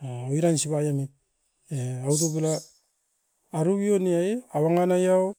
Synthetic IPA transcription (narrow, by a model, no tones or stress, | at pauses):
aoiɾansibajamit̚ | eaut̬upila | ɾuβioniajawaŋanajaw